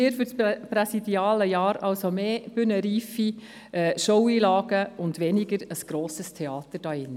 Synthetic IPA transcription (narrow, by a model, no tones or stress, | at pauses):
ɪːɾfʏɾspɾɛsidiɑːləjɑːɾɑlsomeːb̥ʏnəɾiːfi | ɛːʃowiːlɑːɡ̥əʊndʋɛnɪɡəɾəsɡ̥ɾoːsəstʰeɑːt̪əɾd̥ɑːɪnːə